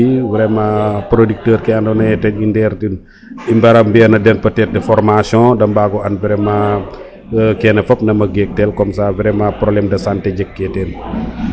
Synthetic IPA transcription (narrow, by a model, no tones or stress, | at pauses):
iwiɾɛmɐpɾodik̚təːɾkɛɐndɔnɐɛtɛnindɛːɾtin | imbɐɾɐmbiɐnɐdɛnpɐtɛt̚dɛfɔrmasjɔ̃dɐmbaɡɔɐnviɾɛmɐ | kɛnɛfɔp̚nɐmɐɡɛk̚tɛlkɔmsaviɾɛmapɾolɛmdɐsantɛd͡ʒɛkːɛtɛn